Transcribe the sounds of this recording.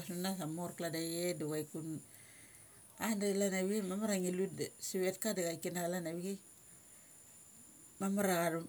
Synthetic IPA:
sunasamoɾkladajeduɡajkun | andelanaβiɡemamaɾaŋilutsiβetkadaɣaikinaɣalanaβiɡe | mamaɾaɣaɾ

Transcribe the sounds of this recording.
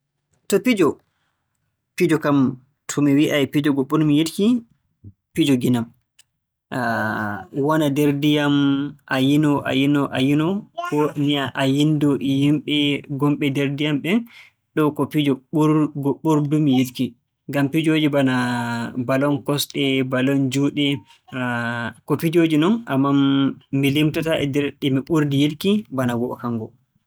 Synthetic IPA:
tɔpid͡ʒɔ | pid͡ʒɔkam | tʰɔmiwiʔaɛpid͡ʒɔɡoɓːuɾmijidki | pid͡ʒɔɡinam | a | wanadeɾdijamʔajinɔʔa̰jinɔʔajinɔkɔmiaʔajindɔjimɓɛɡɔmɓɛdɛɾdijamɓɛn | ɗɔkopid͡ʒɔɡɔɓuɾdumijedki | ɡampid͡ʒod͡ʒibanabalɔnkɔsɗɛbalɔnd͡ʒuːɗɛ | kopid͡ʒod͡ʒinɔnʔamːaː | ilimtɔtaʔɛ̰dɛɾɗɛmiɓuɾdijidkibanaɡɔʔɔkaŋɡɔ

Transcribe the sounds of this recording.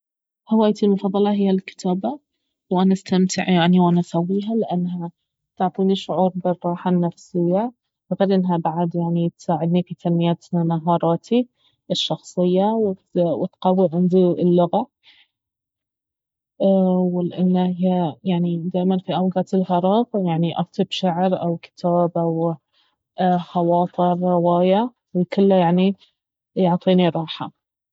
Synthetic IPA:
hawaːjt̪ilmʊfɑðˤːɑlɑɦɪjːalkɪ̥t̪ʰaːba | wʔanaʔast̪amt̪ʰɪʕjaʕniwʔanaʔsawːiːɦalɪʔanːɦa | t̪ɪʕt̪ˤiːniʃʊʕuːɾˤbɪrˤːɑːħanːafsɪjːa | ʔafɪlʔɪnːɦabaʕad̪jaʕnit̪saːʕɪd̪nifit̪ʰalmɪjaːt̪nanaɦɑːɾˤɑːt̪ʰi | ʔɪʃːɑxsˤɨjːawɪwɪt̪qɑwːiʕɪnzˤiːɪlːʊɣa | wɪlʔɪnːaajaʕnid̪aːʔmanfiʔawɡaːt̪ɪlhɑɾˤɑːɣjaʕniʔɑ̰ft̪ɨbʃaʕɾʔawkɪ̥t̪ʰaːbʔaw | xɑwɑːt̪ˤɨɾːɪwaːja | wɪkʊlːajaʕni | jʊʕt̪ˤiːniɾˤɑːħa

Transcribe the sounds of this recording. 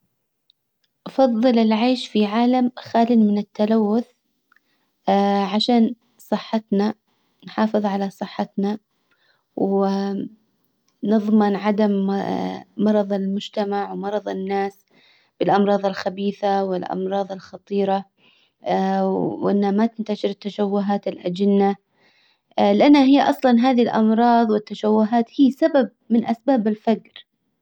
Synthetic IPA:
ʔɑfɑðˤːɨlɪlʕaːʃfiʕaːlamxaːlɪnmɪnɪt̪ːalawːʊθ | ʕaʃaːn | sˤɨħːɑt̪na | nħɑːfɨðˤʕalasˤɨħːɪt̪na | wɪ | nɨðˤmɪnʕad̪amː | ɑɾˤɑðˤɪlmʊd͡ʒt̪amaʕwmɑɾˤɑðˤɪnːaːs | b̥ɪlʔɑmɾˤɑːðˤɪlxabiːθawɪlʔɑ̰mɾˤɑːðˤɪlxɑt̪ˤiːɾa | ʔɪnːhamat̪ɪnt̪aʃɪɾɪt̪ːaʃawːʊɦaːt̪ɪlʔad͡ʒɪnːa | lɪʔanːaɦɪjːʔɑsˤlɑnɦaːðilʔɑmɾˤɑːðˤwɪt̪ːaʃawːʊɦaːt̪hiːsabab̚ | mɪnʔasbaːbɪlfaɡɾ

